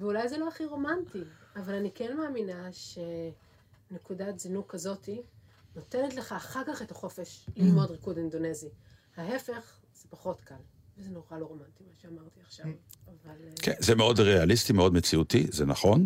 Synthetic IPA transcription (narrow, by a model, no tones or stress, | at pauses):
veulajzeloaχiʁo̞mantiavalanikenmaːminaʃe̞ | ne̞kudatzinukːazo̞tino̞te̞netle̞χaːχaʁkaχe̞taχo̞fe̞ʃimeodʁikudindo̞ne̞zihaɦe̞fe̞χ | z̥epaχo̞tkal | vezeno̞ʁalo̞ʁo̞mantimaʃeamaʁt̪iaχʃav | avalkʰenzemeo̞dʁealist̪imeo̞dmet͡siut̪izenaχo̞n